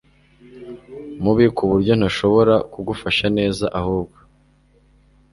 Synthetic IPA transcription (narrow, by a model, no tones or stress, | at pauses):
muβikʰuβuɾɟo̞n̥aʃo̞βo̞ɾakuɡufaʃane̞ːzaʔahuːb̚ɡo